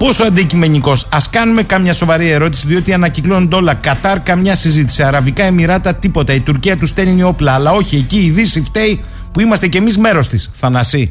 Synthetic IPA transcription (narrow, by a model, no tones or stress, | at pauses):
po̞so̞ɐnd̪icime̞niko̞sɐskɐnume̞kɐmɲɐso̞vɐɾie̞ɾo̞t̪i̥siðio̞t̪iɐnɐciklo̞nnd̪o̞lɐkɐt̪ɐɾkɐmɲɐsizit̪i̥siɐɾɐvikɐemiɾɐt̪ɐt̪ipo̞t̪ɐit̪uɾciɐt̪ust̪e̞lɲio̞plɐːlɐo̞çie̞ciːðisift̪e̞i | puimɐst̪ece̞mizme̞ɾo̞st̪isθɐnɐsi